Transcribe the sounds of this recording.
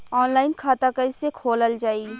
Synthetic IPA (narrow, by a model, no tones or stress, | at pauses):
ɔːnlaːɪnkʰaːt̪akəsekʰoːləld͡ʒaːiː